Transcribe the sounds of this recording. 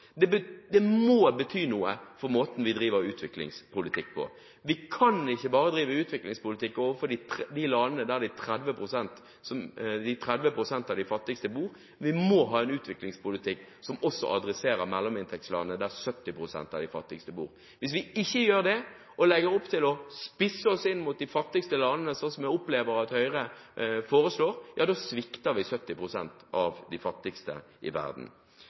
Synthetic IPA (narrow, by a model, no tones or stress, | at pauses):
d̪ɛbəd̪ɛmoːbət̪ʰyːnuːəfɔɾmoːt̪n̩ʋɪd̪ɾiːʋəɾʉːt̪ʰʋɪklɪ̰ŋspʰʊlɪt̪ʰɪkːpʰɔ̰ | ʋɪkʰɑnɪçːəbɑːʁəd̪ɾiːʋəʉːt̪ʋɪklɪŋspʊlɪt̪ʰɪkːoːʋəfɔd̪ɪt̪d̪ɪlɑnənəd̪æd̪ɪt̪ʰɾɛd̪ʋəpʰɾʊsɛnt̪ | sɔmd̪ɪt̪ʰɾɛd̪ʋəpɾʊsɛnt̪ɑd̪ɪfɑt̪ːɪkst̪əbuːɾ | ʋɪmoːɦɑːɛnʉːt̪ʋɪklɪŋspʰʊlɪt̪ʰɪkː | sɔmɔsːɔ̰ʔɑd̪ɾɛseːɾəɾmɛlːɔmɪnt̪ʰɛk̪̚slɑ̰ːnənəd̪æʁsœt̪ːɪpʁʊsɛ̰nt̪ɑ̰ʋd̪ɪfɑt̪ːɪkst̪əbṵːʁ | ʋɪs̬ʋɪɪçːəjøːʁd̪ɛ | ʔɔlɛɡəɾɔpːt̪ʰɪlɔspɪsːəɔsɪnːmut̪̚d̪ɪfɑt̪ːɪkst̪əlɑːnənəsɔnsɔmjæʊpleːʋəɾɑt̪hœʏʁəfoːɾəsloːɾjʔɑːd̪oːsʋɪkt̪əʁɾʋɪsœt̪ːɪpʁʊsɛ̰nt̪ɑʋd̪ɪfɑt̪ːɪkst̪ə̰ | ʔɪ̰ʋæ̰ʁd̪n̩